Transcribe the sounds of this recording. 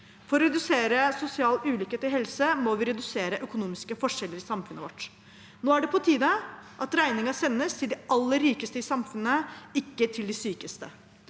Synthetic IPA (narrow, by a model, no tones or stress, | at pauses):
fɔɾɔɾɛd̪ʉseːɾəsʊsɪɑːlʉːlʏkeːt̪ɪɦɛlsəmɔʋɪɾɛd̪ʉseːɾəʔœkʊnuːmɪskəfɔʂɛlːəɾɪsɑmfʉnəʋɔʈː | noːæɖɛpʰɔt̪ʰiːd̪əʔɑt̪ɾæɪnɪŋɑsɛnːəst̪ʰɪld̪ɛɑlːəɾːiːkəst̪əɪsɑmfʉnːəɪkːət̪ʰɪld̪ɪsyːkəst̪ə̰